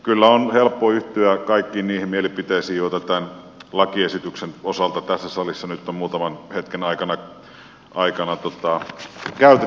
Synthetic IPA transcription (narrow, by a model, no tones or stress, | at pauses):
kylːæonhelpːoːyht̪yækɑikːiːnniːhemmielipit̪eisiːjot̪ɑt̪æn | lɑkiesit̪yksenosɑlt̪ɑt̪æsːæsɑlisːɑnyt̪ːommuːt̪ɑmɑnhet̪kenɑikɑnɑ | ʔɑikɑnɑt̪ot̪ɑkæyt̪e